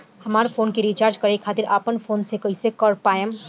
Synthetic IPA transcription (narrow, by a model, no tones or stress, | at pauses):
hɐmaːɾefʰoːnkeɾiːt͡ʃaːɾd͡ʒkɐɾekʰaːt̪ɪɾaːpənfʰoːnsekɐisekɔːɖpaːjəm